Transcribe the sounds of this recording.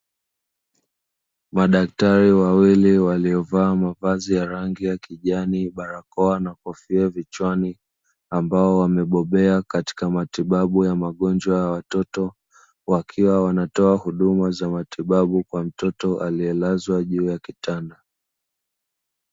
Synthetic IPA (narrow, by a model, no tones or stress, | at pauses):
maɗak̚taɾiwawiliwaliɔvaːmavazijaɾaŋɡijakiʄaniɓaɾakɔanakɔfiavit͡ʃwani | ambaɔwamɛɓɔɓɛakati̥kamatiɓaɓujamaɠɔnd͡ʒwajawatɔtɔ | wakʰiwawanatɔahuɗumazamatiɓaɓukwam̩tɔtɔʔaliɛlazwaʄuːjakitanda